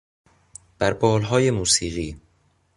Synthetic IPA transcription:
b̥æɾbɒːlɦɒːjemuːsiːɣiː

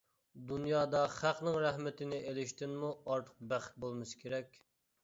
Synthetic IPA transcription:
d̪unjɑːd̪ɑχæqnɪŋɾæhmɪt̪ɪnɪʔelɪʃt̪ɪnmuɑɾt̪ʰəq̚bæχɪ̥t̪̚bolˠmɨskʲʰeɾɛkʲ

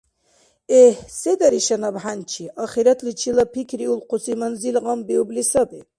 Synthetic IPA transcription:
ɛhsɛd̪aɾiʃɐnabħant͡ʃʰiʔɑχiɾɐt̪ʰlit͡ʃʰilɐpʰikʰɾiulqʰusimɐnzilʁɑmbiublisɐbi

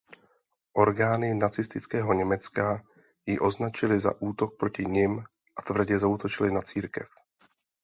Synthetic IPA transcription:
ʔo̞ɾɡaːnɪnat͡sɪst̪ɪt͡skɛːɦo̞ɲɛmɛt͡ska | jɪʔo̞znat͡ʃɪlɪza̰ʔuːt̪o̞k̚pɾo̞cɪɲɪm | ʔat̪vr̩ɟɛzaut̪o̞t͡ʃɪlɪnat͡siːɾkɛ̰f

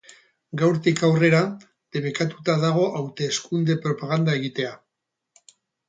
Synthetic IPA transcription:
ɡawɾt̪ikawre̞ɾa | d̪̥e̞βekat̪ut̪aðaɣ̞o̞ʔawt̪e̞ːskund̪e̞pɾo̞paɣ̞and̪ae̞ɣit̪e̞a

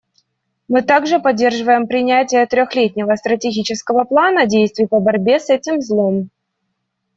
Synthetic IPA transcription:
mɨt̪aɡʐɨpɐdʲːe̞rʐɨvəjɪmpɾʲɪnʲætʲɪjət̪ɾʲoxlʲet̚ʲnʲɪvəst̪ɾətʲɪɡʲit͡ɕɪskəvəplˠanədʲejst̪vʲɪjpəbɐɾʲbʲe̞sɛtʲɪmzlˠo̞m

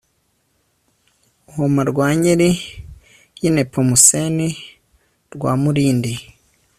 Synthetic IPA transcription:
uhomaɾɡwaːɲeɾi | jinepʰomuseni | ɾɡwa̰ːmuɾiːndi

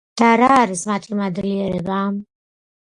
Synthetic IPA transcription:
d̪̥aɾaːɾismat̪ʰimad̪liɛɾɛbaːm

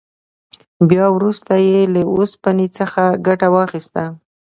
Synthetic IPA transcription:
bjɑwɾust̪ajelaospanit͡səxaɡaʈawɑxist̪a

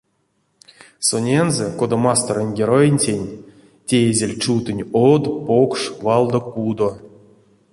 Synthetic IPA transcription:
sonʲenzekod̪amast̪orənʲɡʲeɾojenʲtʲenʲ | tʲejezʲelʲt͡ʃut̪ɨnʲod̪pokʂvɑlˠd̪okud̪o

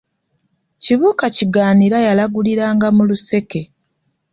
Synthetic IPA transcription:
ciβuːkaciɡaːniɾajalaɡuliɾaːŋɡamuluse̞ke̞

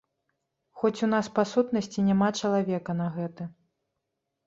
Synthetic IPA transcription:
xɔt͡sʲun̪aspasut̪nɐsʲt͡sʲinʲamat͡ʂɐlˠavʲɛkɐnɐɣɛt̪ɨ

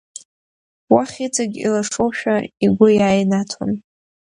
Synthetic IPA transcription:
waχʲit͡sʰaɡʲḭlaʂowʃᶣaiɡʷʊjaːjnatʰo̰n

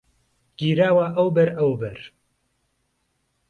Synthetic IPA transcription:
ɡ̥iːɾaːwaːʔɐwbɛɾɐwbɛɾ

